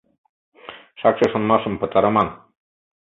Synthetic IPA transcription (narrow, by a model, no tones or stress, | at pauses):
ʃɑkʃɤʃŏnmɑʃɤ̆mpɤ̆t̪ɑɾɤ̆mɑn